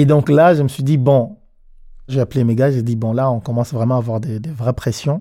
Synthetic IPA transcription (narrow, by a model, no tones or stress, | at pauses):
ed̪ɔ̃klaʒəməsɥid̪ibɔ̃ | ʒəvɛaplemeɡaʒed̪ibɔ̃laɔ̃kɔmɑ̃svʁɛmɑ̃avwaʁd̪ed̪evʁɛpχesjɔ̃